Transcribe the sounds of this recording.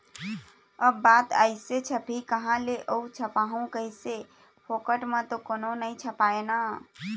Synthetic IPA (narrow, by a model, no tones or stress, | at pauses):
əbbat̪ə̰jset͡ʃʰəpikəɦãleʔəut͡ʃʰəpaɦũkəise | pʰokəʈmẽt̪okoːnonəit͡ʃʰəpaena